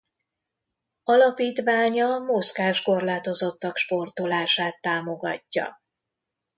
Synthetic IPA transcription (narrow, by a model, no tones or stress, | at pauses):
ɒlɒpiːt̪ʋaːɲɒmoskaːʃko̞rlaːt̪o̞zo̞t̪ːɒkʃpo̞rt̪o̞laːʃaːt̪ːaːmo̞ɡɒ̰cːɒ̰